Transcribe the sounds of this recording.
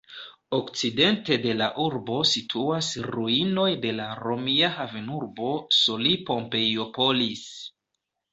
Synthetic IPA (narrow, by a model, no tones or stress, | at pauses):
o̞kt͡side̞nte̞de̞laʔuɾbo̞sitʰuasɾuino̞jde̞laɾo̞miahavenuɾbo̞solipo̞mpe̞jo̞po̞lis